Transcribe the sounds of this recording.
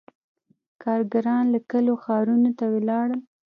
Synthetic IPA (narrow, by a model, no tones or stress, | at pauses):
kɑɾɡaɾɑnlakəloxɑɾunot̪awelɑɽəl